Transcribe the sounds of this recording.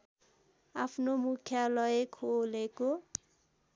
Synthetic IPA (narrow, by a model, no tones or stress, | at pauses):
apʰnomukʰjalɔekʰoleko